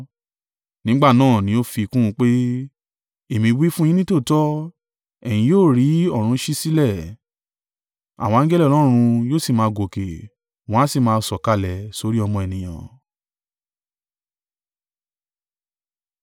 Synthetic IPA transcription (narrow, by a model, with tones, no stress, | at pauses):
nĩ˦ɡ͡ba˦˨nãː˦˨nĩ˨˦o˦fi˧kũ˦˧˦k͡pe˦ | e˦˨mĩ˧wi˦fũ˦jĩ˦nĩ˦to˦˨tɔ˦ | ɛ˨j̃ĩ˧joː˦˨ɾi˨˦ɔ˦˨ɾ̃ũ˧ʃi˦si˦lɛ˦˨ | a̰˨w̃ɔ̃˧˦ɡɛ˦lɛ˦˨lɔ˦˧ɾ̃ũ˧joː˦˨si˦˨mãː˨˧˦ɡo˨ke˨ | w̃ɔ̃˨˦si˦˨mãː˧sɔ˨ka˧˨lɛ˨so˨˧ɾi˦ɔ˧mɔ̃˧ɛ˨nĩ˨j̃ã̰˨